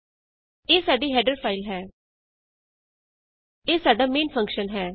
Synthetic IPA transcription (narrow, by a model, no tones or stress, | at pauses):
eːsaːɖiːɦɛːɖəɾpʰaːɪlɦɛː | eːsaːɖaːmẽːnpʰə̃ŋkʃənɦɛː